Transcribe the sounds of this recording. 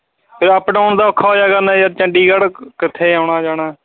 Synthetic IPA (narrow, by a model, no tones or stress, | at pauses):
pʰɪɾəpɖaːʊɳd̪aːokʰːaːoːjaːkənãːjaːɾt͡ʃəɳɖiːɡəɽkɪt̪ʰːeːaʊɳaːd͡ʒaːɽaː